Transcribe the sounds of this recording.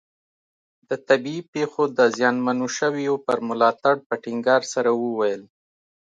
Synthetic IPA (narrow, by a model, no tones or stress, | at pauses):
d̪ət̪abiipexod̪əzjɑnmanoʃəwjopəɾmʊlɑt̪aɽpəʈɪŋɡɑɾsaɾawəwajəl